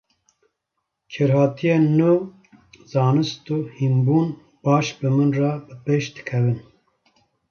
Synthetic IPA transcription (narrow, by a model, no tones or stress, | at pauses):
kʰɨɾhɑːt̪ʰijeːnu | zɑːnɨst̪uːhimbuːn | bɑːʃbɨmɨnrɑbɨpeːʃd̪ɨ̥kʰɛvɨn